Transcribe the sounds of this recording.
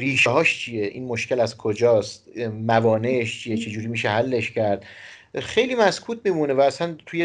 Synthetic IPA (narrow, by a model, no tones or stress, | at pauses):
ɾiːʃeɦɒːʃt͡ʃʰijeʔḭːnmoʃkcelæzkʰod͡ʒɒːst̪mævɒːneʃt͡ʃʰijet͡ʃʰe̞d͡ʒuːɾiːmiːʃeɦælːe̞ʃcæɾd̪̥ | xe̞jliːmæskʰuːt̪̚ʰmiːmunevæːsænt̪ʰuje